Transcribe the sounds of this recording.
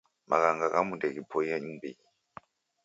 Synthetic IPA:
mʔa̰kaŋɡakamudɛkipʰɔjaimbii

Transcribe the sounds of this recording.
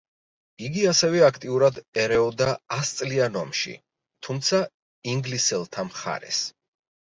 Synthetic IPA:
iɡiasɛvɛakʰt̪ʼiuɾad̪ɛɾɛɔd̪aːst̪sʼlianɔmʃḭ | t̪ʰumt̪sʰa | iŋɡlisɛlˠt̪ʰamχa̰ɾɛ̰s

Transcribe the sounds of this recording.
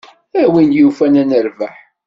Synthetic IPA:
æwinjufænænəɾvaħ

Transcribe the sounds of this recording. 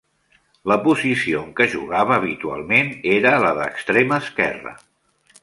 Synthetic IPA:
ləpuzisioŋkəʒuɣaβəːβ̞it̪ua̰lˠmeneɾələðə̰kst̪ɾeməːskɛ̰rə̰

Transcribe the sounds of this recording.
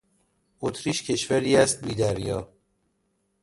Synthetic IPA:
ot̪ʰɾiːʃcʰe̞ʃvæɾiːæst̪̚biːd̪æɾjɒ̰ː

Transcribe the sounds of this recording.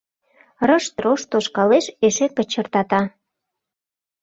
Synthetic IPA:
rə̆ʃt̪ɾoʃt̪oʃkɑleʃeʃepə̆t͡ɕə̆rt̪ɑt̪ɑ

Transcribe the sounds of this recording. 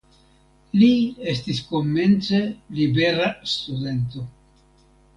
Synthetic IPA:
lies̬tisko̞mːe̞nt͡selibe̞ɾast̪ud̪e̞nt̪o̞

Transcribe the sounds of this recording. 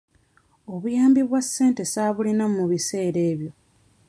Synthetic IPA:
o̞βujaːmbiβwasːe̞ːnte̞saβulinamuβise̞ːɾe̞ːβjo̞

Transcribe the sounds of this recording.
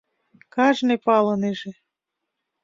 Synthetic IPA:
kɑʒnepɑlɤneʒĕ

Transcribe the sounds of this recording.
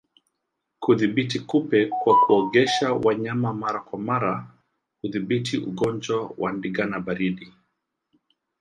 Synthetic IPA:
kuðiɓitikupɛkwakuɔɠɛʃawaɲamamaɾakwamaɾa | huðiɓitʰiʔṵɡɔnd͡ʒwawʔa̰ndiɡanabaɾiɗi

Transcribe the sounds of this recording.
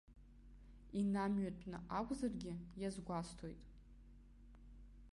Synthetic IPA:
inamɥatʷʼnɨʔakʷʼzarɡʲɪjazɡʷastʰojtʼ

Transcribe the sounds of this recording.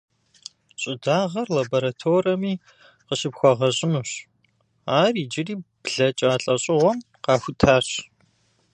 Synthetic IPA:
ɕʼɪdaːʁɐrlaboɾatʰoːrɐmiː | qəʃɪpxʷɔʁɐɕʼɪnuɕ | aːriːd͡ʒɪriːbɮɐt͡ʃʼaːɬʼɐɕʼɪʁʷɔm | qɑːxʷʊtʰaːɕ

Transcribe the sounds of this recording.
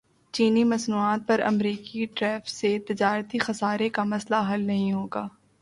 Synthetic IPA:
t͡ʃiːnimɐsnuːaːt̪̚pɐɾɐ̰mɾiːkiʈɾɛːfset̪ɪd͡ʒaːɾt̪ixɐsaːɾekamɐslaɦɐlnɐɦĩɦoːɡaː

